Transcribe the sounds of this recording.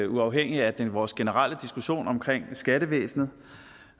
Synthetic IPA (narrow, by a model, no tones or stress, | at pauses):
uɑ̈ʊɦeŋ̰iæd̥enʋɒːsɡ̥e̝nəʁal̰əd̥isɡ̥uɕo̝̰ːnɒ̽mkʰʁeŋ̰sɡ̥æɾəʋḛːsn̩ð̩ˠ